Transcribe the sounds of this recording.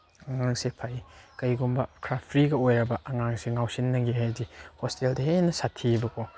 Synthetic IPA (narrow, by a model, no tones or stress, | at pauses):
ɐŋaŋsepʰajkɐjɡumbɐkʰɾappʰɾiɡɐojɾɐbɐʔɐŋaŋseŋawsinːɐŋɡiɦajdihosteldɐhenɐsatʰibɐkʰo